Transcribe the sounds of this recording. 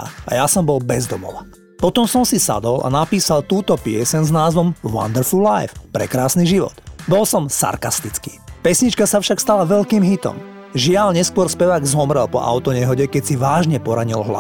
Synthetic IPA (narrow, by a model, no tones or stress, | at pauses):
ajasɔmbɔlbɛzd̪ɔmɔ̰ʋa | pɔt̪ɔmsɔmsisa̰d̪ɔla̰napiːsalt̪uːt̪ɔpɪɛsɛɲznaːzʋɔmwa̰nd̪ɛɾfullajfpɾɛ̰kɾaːsniʒiʋɔ̰d̪̥bɔlsɔmsa̰ɾkast̪it͡skḭːpɛsɲit͡ʃkasafʃakst̪alaʋɛʎkiːmɦit̪ɔ̰m | ʒɪalɲɛskʊɔɾspɛʋaːɡzɔmɾɛlpɔ̰ʔa̰ʊt̪ɔɲɛɦɔɟɛkɛsiʋaːʒɲɛpɔɾaɲilɦla̰